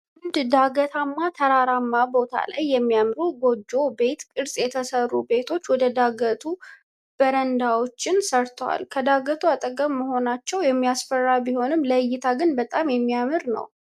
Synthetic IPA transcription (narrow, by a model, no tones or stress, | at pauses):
ʊnd̪d̪aɡət̪ʰamːat̪ʰəɾaɾamːabo̞t̪ʰa̰la̰jːɛmːijamɾuɡo̞d͡ʒːo̞be̞t̪kʼɨɾsʼjɛt̪ʰəsərːube̞t̪ʰo̞t͡ʃːwɔd̪əd̪aɡət̪ʰu | b̥əɾənd̪awo̞t͡ʃːɪnsəɾt̪ʰəwa̰lkʰəd̪aɡət̪ʰuat̪ʼəɡəmːəho̞nat͡ʃːɛwjɛmːijasfərːabiho̞nɨmːləjːɪt̪ʰaɡɨnbət̪ʼamjɛmːijamɨɾnə̰w